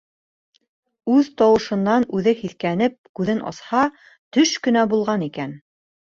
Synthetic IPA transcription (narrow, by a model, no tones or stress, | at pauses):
ʉðt̪ɑwɤ̆ʃɤ̆nːɑnʉðɘhiθkænɘp̚kʉðɘnʔɑ̰shɑ | t̪ɵʃkɵ̆næbulˠʁɑnikæn